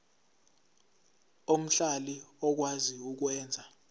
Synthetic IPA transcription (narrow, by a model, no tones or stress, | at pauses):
om̩ɬaliɔk̬waziuk̬wɛːnd͡zʱa